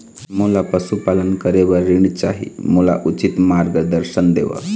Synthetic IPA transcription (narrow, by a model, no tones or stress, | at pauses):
mulapəsupalənkəɾeʋəɾːiɳ̃it͡ʃaɦḭmula̰ʔut͡ʃit̪maɾɡəd̪əɾʃənd̪ḛʋə̰